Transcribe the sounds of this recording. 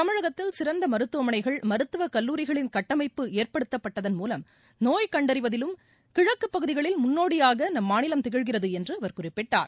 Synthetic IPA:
t̪ɐmɪɻɐɣɐt̪ːɪlsɪɾɐnd̪ɐmɐɾɯt̪ːɯʋɐmɐnɐɪɣɐɭmɐɾɯt̪ːɯʋɐkɐlːuːɾɪɣɐɭɪnkɐʈːɐmɐɪpːɯeːrpɐɽɯt̪ːɐpːɐʈːɐðɐnmuːlɐm | noːjkɐɳɖɐɾɪʋɐðɪlɯm | kɪɻɐkːɯpːɐɣɯðɪɣɐɭɪlmʊnːoːɽɪjaːɣɐnɐmːaːnɪlɐmt̪ɛɣɪɻɣɪrɐðɯɛndrɯɐʋɐɾkʊrɪpːɪʈːa̰ːɾ

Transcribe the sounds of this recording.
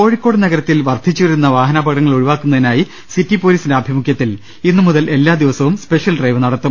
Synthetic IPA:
ko̞ːɻikːo̞ːɽnɐɣɐɾɐt̪ːilʋɐrd̪ʱit͡ɕːuʋɐɾunːɐʋaːɦɐnaːbʱɐɡɽɐŋːɐɭuɻuʋaːkːunːɐðinaːji | sitːipoːliːsindeɐbʱimukʰjɐt̪ːil | inːɨmuðɐle̞lːaːd̪iʋɐsɐʋumspe̞ʂjɐlɖrɐjʋɨnɐɽɐt̪ːum

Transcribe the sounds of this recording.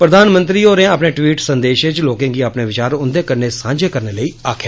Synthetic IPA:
pɾəd̪aːnmə̃nt̪ɾiːoːɾẽapɳeːʈʋiːʈsənd̪eːʃɪt͡ʃloːkẽːɡiːaːpneːʋɪt͡ʃaːɾʊnd̪eːkəɾneːsãːɲd͡ʒeːkəɾneːləiːaːkʰjaː

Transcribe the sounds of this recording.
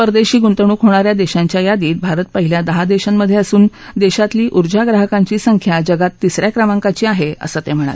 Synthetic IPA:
pəɾd̪eɕiːɡunt̪əɳ̃uːkɦoɽ̃aɾjad̪eɕaɲt͡ɕjajad̪iːt̪̚bʱaɾət̪̚pəɦiljad̪əɦad̪eɕanmːəd̪ʱːjeəsuːn | d̪eɕat̪liːʔuɾd͡ʑaɡɾaɦəkãɲt͡ɕiːsəŋkʰjad͡ʑəɡat̪ːisɾjakɾəmaŋkat͡ɕiːaɦeə̰səːt̪em̤əɽ̃a̰t̪

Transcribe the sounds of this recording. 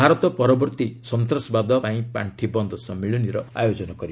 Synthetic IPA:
aɾɔt̪ɔpɔɾɔbɔɾt̪isɔnt̪ɾɔsɔbad̪ɔpaĩpa̰ɳʈʰibɔnd̪ʱɔsɔmiɭɔniɾɔa̰jod͡ʒɔnɔkɔɾi

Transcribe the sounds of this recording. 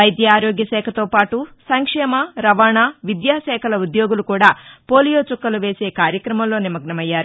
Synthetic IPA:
ɐjd̪jaaːɾoːɡjɐʃɛːkʰɐt̪o̞ːpaːʈusɐŋkʂɛːmɐɾɐʋaːɳaʋid̪jaːʃɛːkʰɐlɐud̪jo̞ːɡulukuːɽaːpo̞ːlijo̞ːt͡ʃukːɐluʋe̞ːse̞ːkaːɾjɐkɾɐmɐmlo̞ːnimɐɡ̚ɳɐmɐjːaːɾu

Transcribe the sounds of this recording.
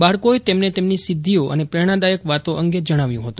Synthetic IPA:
baɭkoet̪emnet̪emnisɪd̪ʱːioʔə̰nepɾɛɽ̃ad̪ajəkʋat̪oʔəŋɡed͡ʒəɽ̃aʋjũɦət̪ũ

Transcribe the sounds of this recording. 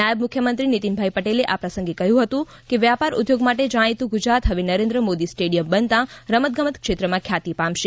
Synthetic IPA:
ajəbmʊkʰjəmənt̪ɾinit̪inbʱajpəʈeleʔapɾəsə̃ŋɡekəɦjũɦət̪ũ | keʋjapaɾʊ̰d̪joɡmaʈed͡ʒəɽ̃it̪ũɡud͡ʒɾat̪ɦəʋenəɾẽnd̪ɾəmod̪isʈeɖijəmbənt̪ãɾəmət̪̚ɡəmət̪kʃet̪ɾəmãkʰjat̪ipãmʃe

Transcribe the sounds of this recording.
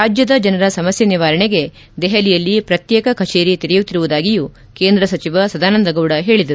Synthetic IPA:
ɾaːd͡ʒjɐd̪ɐd͡ʒɐnɐɾɐsɐmɐsjɐniʋaːɾɐɳeɡe̞ | d̪ɛɦɐlijɐlːipɾɐt̪jɛːkɐkʰɐt͡ʃe̞ːɾit̪iɾɛjut̪ːiɾuʋud̪aːɡiju | keːnd̪ɾɐsɐt͡ʃiʋɐsɐd̪aːnɐnd̪ɐɡɐwɽɐɦe̞ːɭid̪ɐɾuu

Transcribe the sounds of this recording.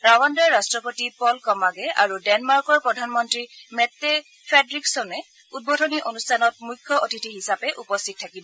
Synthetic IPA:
ɹawɔndɔɹːastɹɔpotipɔlkɔmaɡɛʔa̰ɹudɛnmaɹkɔɹpɹɔdʱanmɔntɹimɛtːe | pʰedɹiksɔnɛ | ut̚bodʱɔniʔonustʰanɔt̚mujkʰːɔʔotitiɦisapɛʔupɔstʰit̚tʰːakibɔ

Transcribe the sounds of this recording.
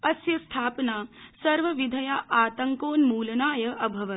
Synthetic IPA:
ɐsjɐst̪ʰaːpɐnaːsɐɾʋɐʋid̪ʱɐjaːʔaːt̪ɐŋkoːnmuːlɐnaːjɐʔɐbʱɐʋɐ

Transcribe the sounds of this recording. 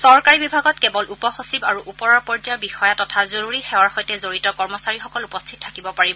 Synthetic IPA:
sɔɹkaɹibibʱaɡɔtkɛbɔlʔupɔxosibaɹuʔupɔɹaɹpɔɹd͡ʒabixɔjatɔtʰazoɹuɹixɛwaɹxɔjtɛzoɹitɔkɔɹmɔsaɹixɔkɔlupɔstʰit̚tʰakibɔpaɹibɔ

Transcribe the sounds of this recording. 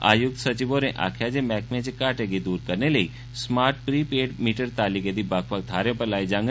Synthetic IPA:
a̰jʊk̚t̪sət͡ʃiboɾeʔa̰kʰjad͡ʒemɛkmẽt͡ʃekaʈeɡid̪uːɾkəɾneləi | smaɾʈ̚pɾipeɖmiʈəɾt̪aliked̪ibakʰʋak̚d̪ʱaɾjəpəlaid͡ʒãŋɡ

